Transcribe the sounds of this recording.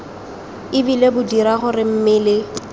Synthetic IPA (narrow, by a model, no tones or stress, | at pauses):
ɪbilebʊdiɾaχʊrɪm̩mɪlɪ